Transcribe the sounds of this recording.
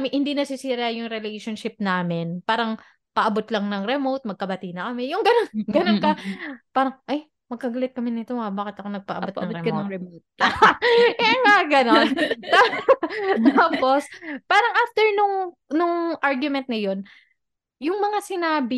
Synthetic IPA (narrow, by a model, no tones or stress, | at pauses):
mɪhɪnd̪inɐsɪsiːɾɐjʊŋɾɛlejʃonʃɪp̚naːmɪnpaːɾɐŋ | pɐʔɐbot̪lɐŋnɐŋɾɛmowt̪̚mɐɡ̚kɐbɐt̪inɐkɐmɛjʊŋɡɐnonɡɐnonkɐpaːɾɐŋʔɐj | mɐɡ̚kɐɡɐlɪt̪̚kɐmɪnɪt̪oɐbaːkɪt̪ʔɐkonɐɡ̚pɐ̰ʔɐot̪ɐŋɾɛmɛot̪̚ | ɛŋaɡɐnont̪a | t̪aːpo̞spaːɾɐŋʔaːft̪ɛɹnʊŋ | nʊŋʔaɹɡjʊmɛnt̪̚nɐjo̞n | jʊŋmɐŋasɪnaːbɪ